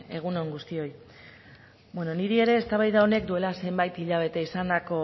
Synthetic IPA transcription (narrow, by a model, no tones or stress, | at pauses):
e̞ɣ̞uno̞ŋɡust̪io̞j | bwe̞no̞niɾie̞ɾe̞ːst̪aβ̞ajðaone̞kd̪ue̞lase̞mbajt̪iʎaβ̞e̞t̪eisand̪ako̞